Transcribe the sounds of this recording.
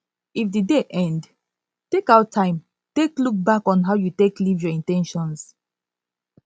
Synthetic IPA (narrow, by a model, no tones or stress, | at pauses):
ifdideʔɛ̃nd | tekaʊtʰːãɪ̃m | tekluk̚bakɔ̃nɦaʊjuteklivjɔĩntɛ̃nʃɔ̃ns